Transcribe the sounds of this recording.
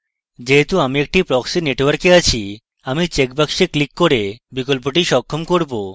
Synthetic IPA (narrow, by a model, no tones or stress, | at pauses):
d͡ʑeɦet̪uamiek̚ʈipɾɔksineʈwaɾkeat͡ɕʰi | amit͡ɕekbakʃiklikːoɾebikolp̬oʈiʃɔkʰːomkoɾbo